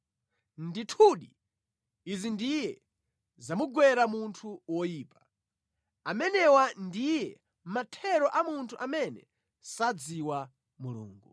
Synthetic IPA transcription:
nditʰuɗi | izindijɛ | zamuɡwɛɾamuntʰuwɔjiːpḁ | amɛnɛwandijɛ | matʰɛɾɔʔamuntʰuʔamɛnɛ | sad͡ziwa | mulṵːŋɡu

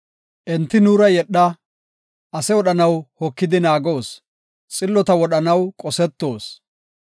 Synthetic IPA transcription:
ʔɛnt̪ːɪnuːɾɐjɛɗːɐ | ʔɐsɛwɔɗɐnɐwhɔkːɪd̪ɪnaːɡo̞ːs | t͡sʼɪlːɔt̪ɐwɔɗɐnɐwkʼɔsɛt̪ːo̞ːs

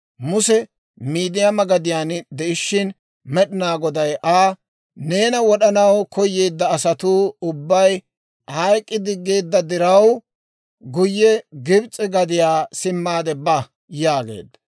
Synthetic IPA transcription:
mʊsɛ | miːd̪ɪjamɐɡɐd̪ɪjaːnd̪ɛʔɪʃːɪn | mɛɗɪnaːɡɔd̪ɐjʔaː | ne̞ːnɐwɔɗɐnɐwkɔjːe̞ːd̪ːɐːsɐt̪uːʊbːɐj | hɐjkʼːɪd̪ɪɡːe̞ːd̪ːɐd̪ɪɾɐw | ɡʊjːɛɡɪbt͡sʼːɪɡɐd̪ɪjaːsɪmːaːd̪ɛbɐ | jaːɡḛːd̪ːɐ

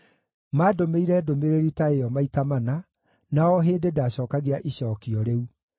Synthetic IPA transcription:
maːdomeiɾɛdomeɾeɾitaejɔmaitamana | naɔɦeːndedaɕɔːkaɣeaʔiɕɔːkiɔɾeu

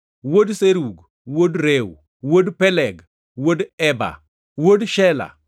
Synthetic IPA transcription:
wodseɾuɡ | wodɾew | wodpɛlɛɡ | wodɛba̰ | wodʃɛla̰

